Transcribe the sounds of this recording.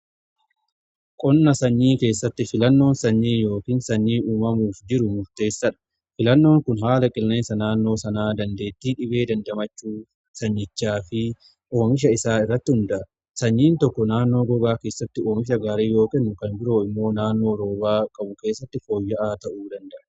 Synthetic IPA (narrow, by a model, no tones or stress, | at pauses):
kʼɔnːɐsɐɲːiːke̞ːsːɐt̪ːɪfɪlɐnːo̞ːnsɐɲːiːjo̞ːkiːnsɐɲːiːʔuːmɐmuːfd͡ʒɪɾʊmʊɾt̪e̞ːsːɐᶑɐ̥ | fɪlɐnːo̞ːŋkʊnɦaːlɐkʼɪlne̞ːnsɐnaːnːo̞ːsɐnaːd̪ɐnd̪e̞ːt̪ːiːᶑɪbe̞ːd̪ɐnd̪ɐmɐt͡ʃːuː | sɐɲːɪt͡ʃːaːfɪ | ʔo̞ːŋɪʃ̬ɐɪsaːɪrːɐt̪ːɪhʊnd̪ɐʔɐ | sɐɲːiːnt̪ɔkːɔnaːnːo̞ːɡɔɡaːkeːsːɐt̪ːɪo̞ːŋɪʃ̬ɐɡaːɾiːjo̞ːkɛnːʊkɐnbɪɾo̞ːɪmːo̞ːnaːnːo̞ːɾo̞ːbaːkʼɐbʊke̞ːsːɐt̪ːɪfo̞ːjːɐʔaːt̪ɐʔuːd̪ɐnd̪ɐʔɐ̥